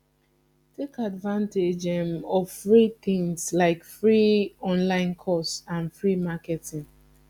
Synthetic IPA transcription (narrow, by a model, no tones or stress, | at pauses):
tʰekadvãnted͡ʒɛmɔvfɹit̪ĩŋslaɪkfɹiɔ̃nlãɪ̃nkʰɔstãnfɹimakɛtĩŋ